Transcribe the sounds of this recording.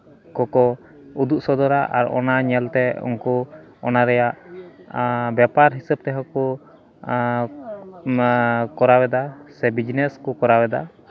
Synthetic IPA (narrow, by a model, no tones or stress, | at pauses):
kɔkɔ | ud̪uʔsɔd̪ɔɾaʔa̰ɾɔ̰naɲɛlt̪ɛṵŋkɔ | ɔnaɾɛjaʔ | bjapaɾɦisəb̚t̪ɛɦakɔ | kɔɾawɛd̪asɛbid͡ʒnɛskɔkɔɾawɛd̪a